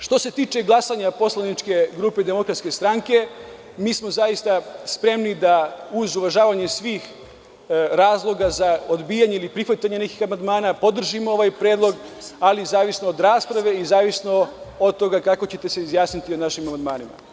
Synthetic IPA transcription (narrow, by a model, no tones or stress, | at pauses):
ʃt̪o̞se̞t̪iːt͡ʃe̞ɡlˠasaɲapo̞slˠanit͡ʃke̞ɡɾuːpe̞d̪emo̞kɾat̪ske̞st̪ɾaŋke̞ | miːsmo̞zajist̪aspɾe̞mnid̪auzuʋaʒaːʋaɲe̞sʋiːx | ɾaːzlˠo̞ɡazaod̪biːjaɲeilipɾixʋat̪aɲe̞nekixamand̪maːnaːpo̞d̪r̩ʒimoo̞ʋajpɾeːd̪lˠo̞ɡalizaːʋisnood̪ɾaːspɾaʋe̞izaːʋisno̞od̪̚t̪o̞ɡakako̞t͡ɕe̞t̪e̞seizjaːsnit̪ionaʃimamand̪maːnima̰